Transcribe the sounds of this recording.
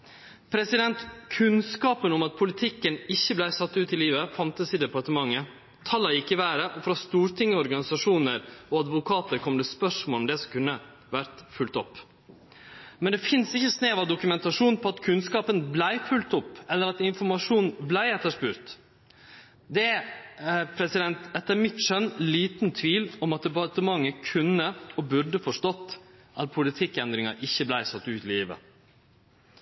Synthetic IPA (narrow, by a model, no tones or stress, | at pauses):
pʰɾɛsɪd̪ɛnt̪kʰʉnskɑːpənɔmɑt̪̚pʰʊlɪt̪ʰɪkːənɪçːəblæɪsɑt̪ːʉːt̪ɪliːʋəfɑnt̪əsɪd̪ɛpɑʈ̪əmɑŋːə | t̪ʰɑlːɑɾɪkːəʋæːɾəʔɔfɾɑst̪uːɾʈʰɪŋːəɔɾɡɑnɪsɑʂuːnəɾɔɑd̪ʋʊkʰɑːt̪əɾkʰɔmd̪ɛspœʂmoːɔmd̪ɛsɔkʰʉnːə | ʋæɾt̪fʉlt̪ɔpː | mɛnd̪ɛfɪnsɪçːəsneːʋɑd̪ʊkʉmɛnt̪ɑʂuːnpʰɔɑt̪kʰʉnskɑːpənblæɪfʉlt̪ɔpːɛlːəɾɑt̪ɪnfɔɾmɑʂuːnblæɪɛt̪ːəʂpʉːɾt̪ | d̪ɛ | pʰɾɛsɪd̪ɛnt̪ɛt̪ːəɾmɪt̪ʂœnːliːt̪nt̪ʰʋiːlɔmɑt̪̚d̪ɛpɑɾt̪əmɑŋːəkʰʉnːəɔbʉɾɖəfɔʂtɔt̪ːʔɑt̪̚pʰʊlɪt̪ʰɪkːɛnd̪ɾɪŋɑʔɪçːəblæɪsɑt̪ːʉːt̪liːʋə̰